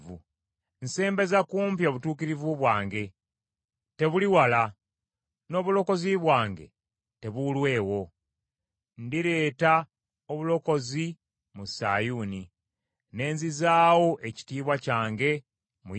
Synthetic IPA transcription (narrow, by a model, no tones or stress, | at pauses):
vu | nse̞ːmbe̞zakuːmp̬jo̞ːβutuːkiɾivuβwaːŋɡe̞ | te̞βuliwala | no̞ːβulo̞ko̞ziβwaːŋɡe̞̰ | te̞βulwe̞ːwo̞ | ndiɾe̞ːta | oβulo̞ko̞zi | musa̰juːni | ne̞ːnzizaːwo̞ʔe̞ci̥tiːβwacaːŋɡe̞ | mu